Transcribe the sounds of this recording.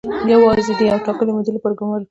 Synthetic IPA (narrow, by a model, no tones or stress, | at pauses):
jawɑzed̪eawʈɑkəlemʊd͡ʒɪlepəɾɡʊmaɾ